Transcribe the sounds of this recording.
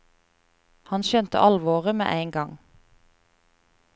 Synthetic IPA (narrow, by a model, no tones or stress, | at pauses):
hɑnʃœnt̪ə̰ʔɑlʋoːʁɪmḛːʔæɪŋɡɑŋ